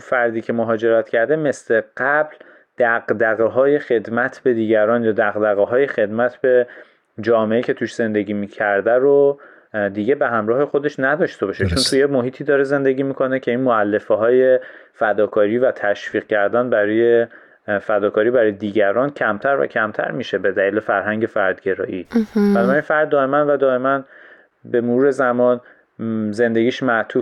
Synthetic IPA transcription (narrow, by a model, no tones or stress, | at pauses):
fæɾd̪iːcʰe̞moɦɒːd͡ʒe̞ɾæt̪cʰæɾd̪e̞me̞sle̞ɢ̥æbl | d̪̥æɣd̪æɣeɦɒːje̞xe̞d̪mæt̪ʰbe̞d̪iːɟæɾɒːnjɒːd̪æɣd̪æɣeɦɒːje̞xe̞d̪mæt̪ʰbe̞ | d͡ʒɒːmeʔecʰe̞t̪ʰuːʃz̥e̞nd̪e̞ɡiːmiːcʰæɾd̪æɾo | d̪iːɟe̞be̞ɦæmɾɒːhe̞xod̪e̞ʃnæd̪ɒːʃt̪e̞bɒːʃet͡ʃʰont̪ʰujemoɦiːt̪ʰiːd̪ɒːɾeze̞nd̪e̞ɟiːmikʰo̞necʰe̞inmoælːe̞feɦɒːje̞fæd̪ɒːkʰɒːɾiːvæt̪ʰæʃfiːq̚cʰæɾd̪ænbæɾɒɔːje | fæd̪ɒːkʰɒːɾiːbæɾɒːjed̪iːɟæɾɒːncʰæmt̪ʰæɾvæ̰cʰæmt̪ʰæ̰ɾmiːʃe̞be̞d̪æliːlefæɾɦæŋɟe̞fæɾd̪ɟe̞ɾɒ̰ːʔiːb̥ænɒbæɾinfæɾd̪̚ːɒːe̞mænvæd̪ɒːe̞mæn | be̞moɾuːɾe̞zæmɒːn | ze̞nd̪e̞ɡʲiːʃmæʔt̪ʰuːf